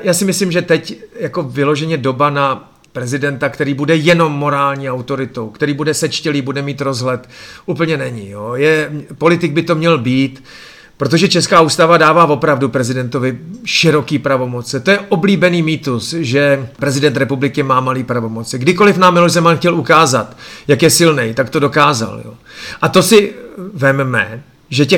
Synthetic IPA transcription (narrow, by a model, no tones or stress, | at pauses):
jaːsɪmɪslimʒɛt̪ɛcjako̞vɪlo̞ʒɛɲɛdo̞bana | pɾɛzɪdɛnt̪akt̪ɛɾiːbudɛjɛno̞mːo̞ɾaːlɲiːawt̪o̞ɾɪt̪o̞wkt̪ɛɾiːbudɛsɛt͡ʃcɛliːbudɛmiːt̪ɾo̞zɦlɛt̪ʔuːpl̩ɲɛnɛɲɪjojɛpo̞lɪt̪ɪɡ̚bɪt̪o̞mɲɛlbiːt̪ | pɾot̪o̞ʒɛt͡ʃɛskaːuːst̪avadaːvaːvo̞pɾavdupɾɛzɪdɛnt̪o̞vɪʃɪɾo̞kiːpɾavo̞mo̞t͡sɪt̪o̞jɛʔo̞bliːbɛniːmiːt̪usʒɛpɾɛzɪdɛnt̪ɾɛpublɪkɪmaːmaliːpɾavo̞mo̞t͡sɪɡdɪko̞lɪfnaːmːɪloʒzɛmanxcɛlukaːzat̪jakjɛsɪlnɛjt̪akt̪o̞do̞kaːza̰ljo̰ | ʔat̪o̞sɪvɛmmɛ | ʒɛcɛ